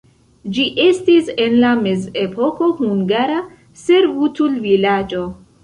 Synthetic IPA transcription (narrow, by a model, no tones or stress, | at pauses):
d͡ʒiʔe̞stise̞nlame̞ze̞pʰo̞ko̞huŋɡaɾa | se̞ɾvutulvilad͡ʒo̞